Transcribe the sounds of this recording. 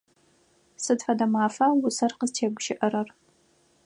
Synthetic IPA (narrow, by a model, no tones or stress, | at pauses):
sɨdfɐdɐmaːfɐwʊsɐrqəztʰeːɡʷʃɪʔɐɾɐr